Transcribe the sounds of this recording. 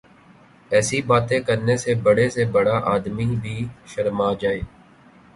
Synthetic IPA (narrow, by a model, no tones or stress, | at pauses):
ɛːsibaːt̪ẽkəɾnesebəɽesebɐɽaʔaːd̪mibʱiːʃəɾmaːd͡ʒaːeː